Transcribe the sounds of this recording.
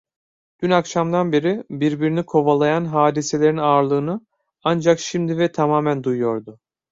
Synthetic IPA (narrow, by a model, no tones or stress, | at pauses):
d̪̥ynakʃamd̪anbeɾibiɾbiɾinikʰo̞valˠajanɦaːd̪ise̞lʲe̞ɾinaːɾlˠɯːnɯ | and͡ʒakʃimd̪ivɛt̪ʰamaːmænd̪ujjo̞ɾd̪ʊ